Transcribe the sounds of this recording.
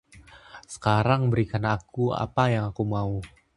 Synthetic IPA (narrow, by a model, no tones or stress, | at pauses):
sə̥kaɾaŋbəɾikanakua̰pajaŋakumau